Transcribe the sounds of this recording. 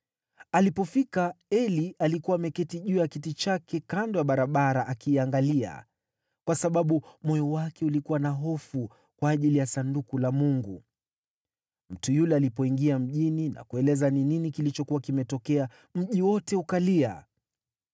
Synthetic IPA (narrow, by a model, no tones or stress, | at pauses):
alipɔfikaɛliʔalikuwamɛkɛtiʄujakitit͡ʃakɛkandɔwaɓaɾaɓaɾaʔakiːaŋɡalia̰ | kwasaɓaɓumɔjɔwakɛulikuwanaɦɔfu | kwaːʄilijasandukulamuŋɡu | m̩tujulɛalipɔiŋɡiam̩ʄinina̰kuɛlɛzanininikilit͡ʃɔkuwakimɛtɔkɛa | m̩ʄiwɔtɛukalia̰